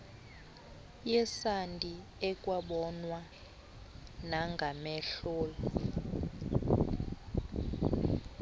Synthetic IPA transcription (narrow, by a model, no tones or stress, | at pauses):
jɛsantʼi | ɛkʼwaɓɔnwa | naŋɡʱamɛɬɔːlɔ